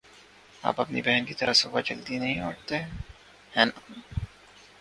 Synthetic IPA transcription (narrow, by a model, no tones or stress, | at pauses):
a̰ːpɐpnḭbɛɦənkit̪ɐɾəsoːbad͡ʒɐld̪inɐɦĩoːʈt̪eɦɛ̃ | hɛːna